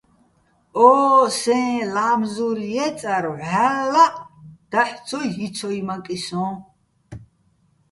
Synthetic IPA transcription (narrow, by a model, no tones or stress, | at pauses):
ɔsɛ̃ːlaːmzuljɛt͡sʼaɾːalːaʔʼd̪̥aħt͡sʰɔjɦit͡sʰɔimakʼisɔ̃ː